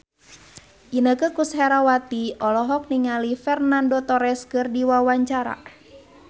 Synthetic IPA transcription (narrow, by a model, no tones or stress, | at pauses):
ʔinəkəkusɦɛɾawat̪iɔlɔɦɔk̚niŋalifɛrnandot̪ɔɾɛskɨrdiwawaɲt͡ʃaɾa̰